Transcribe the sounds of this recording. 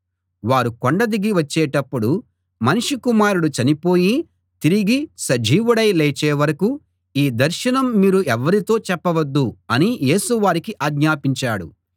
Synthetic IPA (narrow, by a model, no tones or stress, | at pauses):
ʋaːɾukoɳɖɐd̪iɡiʋɐt͡ʃːɛːʈɐpːuɽu | mɐnuʂikumaːɾuɽut͡ʃɐnipo̞ːji | t̪iɾiɡisɐd͡ʒiːʋuɽɐjleːt͡ʃɛːʋɐɾɐku | iːd̪ɐɾʃɐnɐmːiːɾuʔɛʋːɐɾit̪o̞ːt͡ʃɛpːɐʋɐd̪ːuɐnijeːsuʋaːɾikiʔaːɡɲaːpiɲt͡ʃaːɽṵ